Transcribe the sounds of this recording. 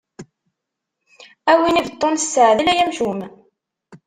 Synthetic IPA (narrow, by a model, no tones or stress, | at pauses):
æwinivət̪ˤːonəsːəʕðilæjæmʃum